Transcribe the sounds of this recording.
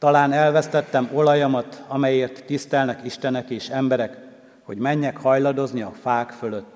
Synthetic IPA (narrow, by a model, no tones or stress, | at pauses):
t̪ɒlaːnɛlvɛst̪ɛt̪ːɛmo̞lɒjɒmɒt̪ɒmɛjeːrt̪ːist̪ɛlnɛkiʃt̪ɛnɛkeːʃɛmbɛɾɛk | ho̞ɟmɛɲːɛkhɒjlɒd̪o̞zniɒfaːkføløt̪ː